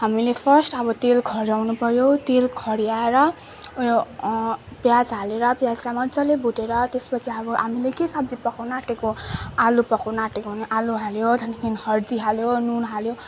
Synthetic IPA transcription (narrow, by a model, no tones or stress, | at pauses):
ɦamilepʰʌrsʈʌbʌt̪elkʰʌɾiawnupʌɾjot̪elkʰʌɾiaeɾʌ | bjad͡zɦaleɾʌpjad͡zsamʌd͡zʌlebuʈeɾʌt̪espʌt͡sʰiʌbʌɦamilekesabd͡zipʌkawnaʈekoalupʌkawnaʈekoɦuneʔaluɦaljot̪ʌnkʰinhʌrd̪iɦaljonunɦaljo